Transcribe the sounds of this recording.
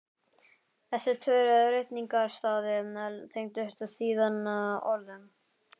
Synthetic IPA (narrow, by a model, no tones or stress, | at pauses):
θɛsːɪt̪ʰvœːɾaɾejt̪niŋkaɾst̪aːðɪɛnɛlt̪ʰejŋt̪ʏhɛɾ̥t̪asiːðanaɔ̰ɾðʏm